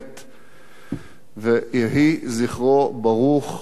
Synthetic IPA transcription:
t̪ | vejeɦiziχʁobaʁuχ

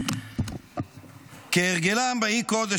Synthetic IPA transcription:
keeʁɡelambaikod̪e

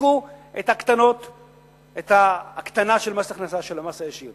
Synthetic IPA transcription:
uet̪hakt̪ano̞t̪ | et̪aːkt̪anaʃelmasaχnasaʃelamasajaʃiʁ

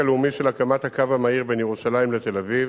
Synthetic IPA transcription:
aleumiʃelakamat̪hakavamaiʁbe̞njeʁuʃalaimlet̪e̞laviv

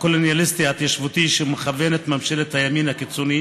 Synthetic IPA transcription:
kolonjalist̪iat̪jaʃvut̪iʃemeχavenet̪mamʃelet̪hajaminhakit͡soni

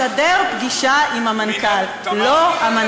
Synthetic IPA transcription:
adeʁpɡiʃaimhamankalː | ohaman

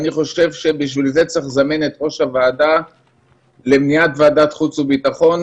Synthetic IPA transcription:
aniχo̞ʃe̞vʃe̞biʃvilze̞t͡seχzaminet̪ʁo̞ʃavaːda | lemniat̪vaːdat̪χut͡subit̪aχo̞n

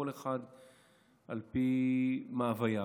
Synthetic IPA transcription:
oleχad̪ | ʔalpimaːvaja

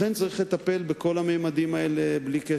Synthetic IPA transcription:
ent͡saʁiχle̞t̪ape̞lbeko̞lamejmad̪imaeleblike

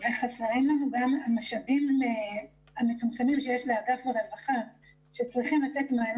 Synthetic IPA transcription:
veχasaʁimlanuɡamamaʃabime | amet͡sumt͡samimʃejeʃleaɡafelavaχan | ʃe̞t͡sʁiχimlatetmaːn

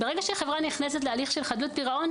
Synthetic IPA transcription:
beʁe̞ɡaʃeχevʁaniχnes̬et̬lealiχʃelχad̪lut̪̚piʁao̞n

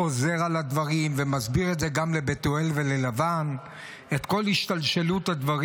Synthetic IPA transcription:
o̞ze̞ʁalad̪vaʁimvemazbiʁetzeɡamlebet̪oelvelelavan | et̪ko̞lhiʃt̪alʃelut̪had̪vaʁ

